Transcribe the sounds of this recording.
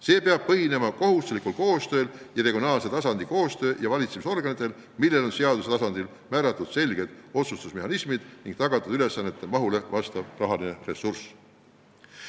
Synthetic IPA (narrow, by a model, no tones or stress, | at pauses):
se̞ːpeɑb̥̚pɤɦine̞mɑko̞ɦust̪likˑulko̞ːst̪ø̞ːljɑɾe̞ɡionɑːlse̞t̪ɑsɑnd̪̥iko̞ːst̪ø̞ːjɑvɑlʲit̪semiso̞rɡ̥ɑnit̪ːˑe̞l | milːe̞lo̞nseɑd̪uset̪ɑsɑnd̪il | mæːɾɑt̪ːˑud̪̥se̞lɡ̥e̞d̪̥o̞t̪sust̪usme̞ɦɑnismid̪̥niŋɡ̥t̪ɑɡ̥ɑt̪ːˑud̪̥yle̞sːɑnːe̞t̪ːˑemɑɦule̞vɑst̪ɑvrɑɦɑline̞re̞sːurs